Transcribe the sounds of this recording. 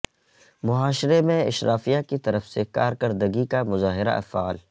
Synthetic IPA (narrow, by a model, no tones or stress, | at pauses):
mʊɦaːʃɾemẽɪ̰ʃɾʔaːfijakit̪ɐɾəfsekaːɾkɐɾd̪əɡikamʊzaːɦɪɾa̰ʔɐ̰faːl